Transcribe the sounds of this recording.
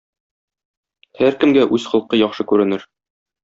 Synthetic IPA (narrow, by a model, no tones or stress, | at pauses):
hæɾkɘ̆mɡæʔʉzχɤ̆lˠqɤjɒχʃɤkʉɾɘ̆nɘɾ